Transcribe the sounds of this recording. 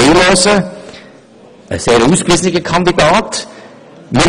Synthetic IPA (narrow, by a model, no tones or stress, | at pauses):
eloːsə | ə̰seːɾuːskʋiːsnɪɡəkʰɑnd̪idɑːt | mɪ